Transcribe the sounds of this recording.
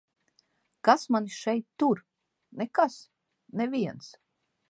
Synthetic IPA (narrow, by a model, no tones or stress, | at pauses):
kasmaniʃɛjt̪ːuɾ | nɛkas | nɛvʲiɛns